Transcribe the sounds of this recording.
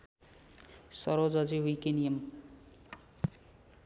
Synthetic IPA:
sʌɾod͡zʌd͡ziwikenijʌm

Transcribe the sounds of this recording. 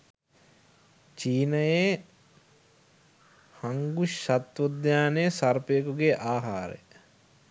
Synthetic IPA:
t͡ʃiːnɐje | haŋɡuʃat̪ʋod̪jaːnejsɐrpekuɡeʔaːɦa̰ːɾḛ

